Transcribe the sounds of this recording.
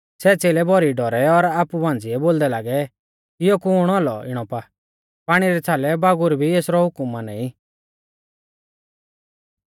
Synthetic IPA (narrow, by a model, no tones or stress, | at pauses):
sɛːt͡seːlɛbʱɔɾiɖɔɾɛɔɾaːpubãːnd͡zɪɛboːld̪ɛlaːɡɛ | ɪjɔkuɽ̃aːlɔɪɽ̃ɔpa | paːɽ̃iɾɛt͡sʰaːlɛbaːɡʊɾbʱieːsɾɔɦʊkʊmanɛĩ